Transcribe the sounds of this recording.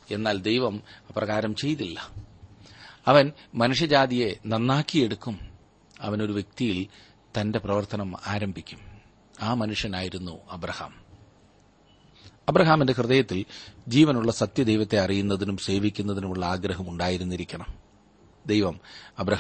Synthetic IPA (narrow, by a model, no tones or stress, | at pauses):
e̞nːaːld̪ejʋɐmɐprɐɣaːɾɐmt͡ɕe̞jt̪ilːɐ | ɐʋɐnmɐnuʂɐd͡ʑaːd̪ije̞nɐnːaːkːije̞ɽukːum | ɐ̰ʋɐno̞ɾuʋje̞k̚t̪ijil | t̪ɐnde̞prɐʋɐrt̪ɐnɐmaːɾɐmbʱikʲːum | aːmɐnuʂjɐnaːjiɾunːuɐbɾɐha̰ːm | ɐbɾɐɦaːmindehrɨðɐjɐt̪ːild͡ʑiːʋɐnuɭːɐsɐt̪jɐd̪ejʋɐt̪ːe̞ɐrijunːɐðinumse̞ːʋikʲːun̪ːɐðinumuɭːɐaːɡɾɐɦɐmuɳɖaːjiɾunːiɾikʲːɐɳɐm | d̪e̞jʋɐmɐbɾɐɦ